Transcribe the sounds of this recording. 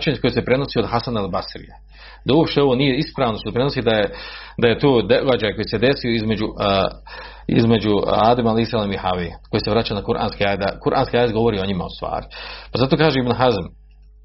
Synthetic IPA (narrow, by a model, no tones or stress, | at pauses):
t͡ʃeɲkoesepɾe̞no̞sio̞d̪ɦasanalbasɾḭje | d̪auwopʃt̪eo̞ʋo̞nije̞ispɾaːʋnot̪ospɾe̞nosiːd̪ajed̪aje̞t̪oːd̪eɡad͡ʒaːjko̞jese̞d̪e̞sijo̞izme̞d͡ʑu | ḭzme̞d͡ʑuaːd̪emalisalemihaʋiko̞jeseʋɾat͡ɕanakuɾʔa̰ːnskiaːjd̪d̪akuɾʔa̰ːnskʲiaːjed̪ɡo̞ʋo̞ɾiːo̞ɲima̰ost̪ʋa̰ːɾɪpazat̪oːkaːʒeibnɦazam